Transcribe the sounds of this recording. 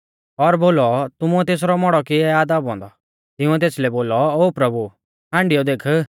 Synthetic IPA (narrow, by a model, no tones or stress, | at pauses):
ɔɾboːlɔt̪ʊmuɛt̪eːs̬ɾɔmɔɽɔkiɛaːd̪abɔ̃ːnd̪ɔ | t̪ɪũɛt̪̬eːslɛboːlɔoːpɾɐbu | ɦãːɳɖɪjɔd̪eːkʰə